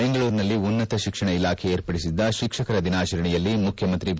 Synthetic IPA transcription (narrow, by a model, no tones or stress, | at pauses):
eŋɡɐɭuːɾnɐlːiunːɐt̪ɐʃikʂɐɳɐilaːkʰeeːɾpɐɽisid̪ːɐʃikʂɐkɐɾɐd̪inaːt͡ʃɐɾɐɳɛjɐlːimukʰjɐmɐnt̪ɾi